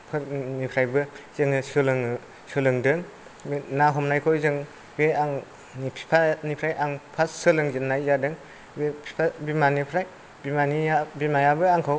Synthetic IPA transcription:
pʰɯɾnipʰɾajbɯz̥ɯŋɯsɯlɯŋ | sɯlɯŋdɯŋ | naɦɔmnajkʰɔjzɯŋ | beaŋ | ipʰi̥pʰanipʰɾajʔaŋpʰassɯlɯŋzinːajzadɯŋ | bepʰi̥pʰabimanipʰɾaj | bimanijabimajabɯaŋkʰɯw

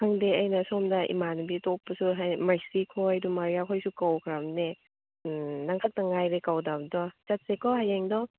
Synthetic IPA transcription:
kʰaŋdeɐjnɐsɔmdaʔḭmanubitɔpːɐsuɦajmaɾsikʰɔjdumaɾijakʰɔjsukawkʰɾamne | naŋkʰak̚taŋajɾekawdabdɔt͡ʃat̚sekʰɔɦajeŋdɔ

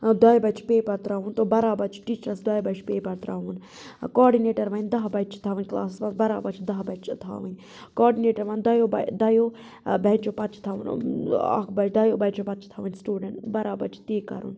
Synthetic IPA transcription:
d̪ɐjbɐt͡ʃʰpeːbɐɾt̪ɾaʋuːnt̪oːbɐɾaːbɐt͡ʃʰʈiːt͡ʃɾsd̪ɐjbɐt͡ʃʰpeːbɐɾt̪ɾaːʋun | kɔːɖineːʈɐɾʋɐnd̪ɐɦbɐt͡ʃʰt̪ʰaʋənʲkla̰ːsisʋɐ̃nt̪bɐɾaːbɐt͡ʃʰd̪ɐɦbɐt͡ʃʰt̪ʰa̰ːʋənʲ | kɔːɾɖineːʈɐɾʋand̪ɐjoːb̰d̪ɐjoː | bʱɛ̃nt͡ʃoːpɐt͡ʃt̪ʰaʋṵna̰kʰbɐt͡ʃʰd̪ɐjoːbɛt͡ʃopɐt̪̚t͡ʃʰt̪ʰaːʋənsʈuːɖeɳʈbɐɾaːbɐt͡ʃʰt̪eːkɐ̰ɾṵːn

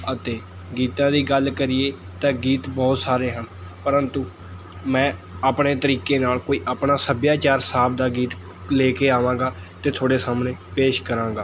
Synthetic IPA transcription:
ət̪eː | ɡiːt̪ãːd̪iːɡəlkəɾɪjeː | t̪ãːɡiːt̪bɔːt̪saːɾeːɦənpəɾənt̪uː | mɛ̃ːaːpɳeːt̪əɾiːkeːnaːlkoːiːʔaːpɳaːsəbjaːt͡ʃaːɾsaːbd̪aːɡiːt̪ | leːkeːaːʋãːɡaː | t̪eːt̪ʰoːɽeːsaːmneːpeːʃkəɾãːŋɡaː

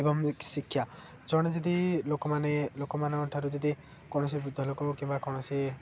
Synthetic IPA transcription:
ebɔŋsikʰːja | d͡ʒɔɽ̃id͡ʒɔd̪ilokɔmanelokɔmanɔʈʰaɾud͡ʒɔd̪i | kɔɽ̃ɔs̬ibɾud̪ʱːɔlokɔkĩmbakɔwɽ̃ɔsi

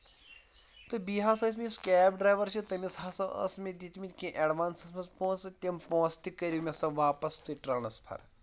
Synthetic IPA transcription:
t̪ɨbiːɦaːsɐis̬meskʲɛːpɖɾaːjʋɐɾt͡ʃʰit̪ɐmisɦaːsɐʔɐ̰smid̪it̪mit̪kʲẽʔeɖʋaːnsɐsmɐspõːnsɨt̪ʲempõːst̪ikɐɾʲimʲesɐʋaːpɐst̪uʈɾɐːnɐspʰɐ̰ɾ

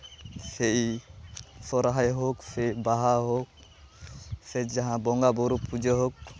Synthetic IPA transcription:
sɛʔi | sɔɾaɦajɦɔksɛibaɦaɦɔk̚ | sɛd͡ʒd͡ʒaɦãbɔŋɡabɔɾupːud͡ʒəɦɔk̚

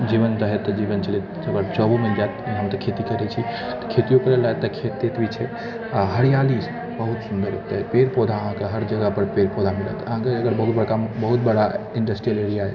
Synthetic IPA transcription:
d͡ʒiʋənɾəɦet̪ːəd͡ʒiːʋənt͡ʃʰəlet̪ | əɡəɾt͡ʃɔbumed͡ʒat̪iɦəmt̪ɐkʰet̪ikəɾɛt͡ʃʰi | t̪ə̥kʰet̪ijõkəɾelːəɦet̪ːɐkʰet̪ːet̪bit͡ʃʰe | aɦəɾijalis | bəɦut̪sund̪əɾot̪eɦpeːɾpod̪ʱaəɦãkeɦəɾd͡ʒəɡəpəɾpeɾpod̪ʱamɪɾə̰t̪əɦãkeɐɡəɾbəɦut̪̚bəɽkambəɦut̪̚bəɽaɪɳɖəsʈɾijəleɾijaɦḛ

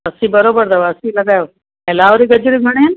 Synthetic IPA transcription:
ɐsĩbɐɾoːbəɾd̪ɐʋɐsĩlɐɡaːjoː | ɛ̃ːlaːʋɾiɡɐd͡ʑɪɾiɡʱɐɽ̃iɐn

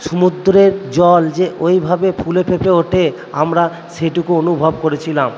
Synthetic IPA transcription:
ʃumud̪ɾeɾd͡ʑɔld͡ʑeʔojbʱabepʰulepʰepʰeoʈʰe | amɾa | ʃeʈukuonubʱobkoɾet͡ɕʰilam

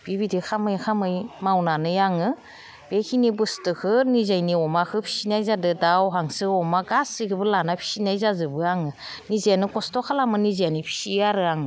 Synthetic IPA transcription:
b̥ibidikʰamɯjkʰamɯjmawnanɯjaŋɯ | b̥ekʰinibɯstɯkʰɯnizajniɔmakʰɯpʰi̥sinajzadɯdawɦaŋsɯɔmaɡasɯjkʰɯbɯlanapʰi̥sinajzazɯbɯaŋɯ | nizejanɯkɔstɔkʰalamɯnizanipʰi̥siaɾɯaŋɯ

